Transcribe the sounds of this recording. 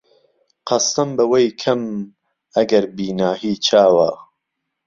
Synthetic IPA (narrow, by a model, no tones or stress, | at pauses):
qʰɐst̪ɨmbɐwejkʰɐm | ɐɡɐɾbiːnaːhiːt͡ʃʰaːwa̰